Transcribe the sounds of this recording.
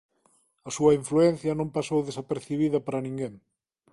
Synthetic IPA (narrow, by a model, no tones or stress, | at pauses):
ɐsuɐiɱfluɛn̟θjɐnõmpasowðesɐpeɾθiβ̞iðɐpaɾɐnĩŋɡeŋ